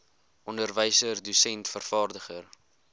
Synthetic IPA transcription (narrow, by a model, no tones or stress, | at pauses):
ʔɔndərvəjsərdusɛntfərfɑːrdəχər